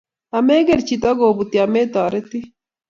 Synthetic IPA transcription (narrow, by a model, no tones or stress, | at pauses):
ɐmeɡeɾt͡ʃit̪ɐɡoːbut̪iɐmeːt̪aːɾet̪i